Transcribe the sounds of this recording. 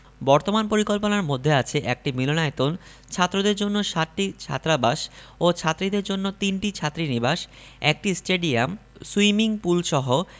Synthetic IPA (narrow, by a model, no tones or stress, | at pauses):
bɔɾt̪omanpoɾikolponaɾmod̪ʱːeat͡ɕʰeʔɛk̚ʈimilonaet̪on | t͡ɕʰat̪ːɾod̪eɾd͡ʑonːoʃat̪ʈːit͡ɕʰa̰t̪ːɾabaʃot͡ɕʰat̪ːɾid̪eɾd͡ʑonːot̪inʈit͡ɕʰat̪ːɾinibaʃ | ek̚ʈisʈeɖiamsuimiŋpulʃɔɦo